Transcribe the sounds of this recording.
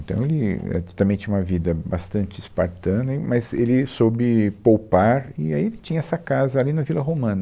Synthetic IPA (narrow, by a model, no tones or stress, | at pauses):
ẽnt̪ɐ̃w̃elɪɛ̰t̪ot̪ãmẽt͡ʃ̪ĩũmɐvid̪ɐbast̪ɐ̃nt͡ʃɪɪspaɾt̪ɐ̃nɐimɐzelɪsobɪpowpaɾɪaielɪt͡ʃĩɲɐɛsɐkazɐalinɐvilɐɦomɐ̃nɐ